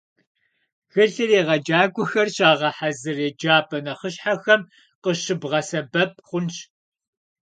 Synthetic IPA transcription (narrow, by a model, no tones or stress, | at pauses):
xɨɮɨreːʁɐd͡ʒaːɡʷʼʊxɐrɕaːʁɐħazɨreːd͡ʒaːpʰʼɐnɐχəɕħaxɐm | qəɕɨbʁɐsɐbɐp̚ʰχʷʊnt͡ʃ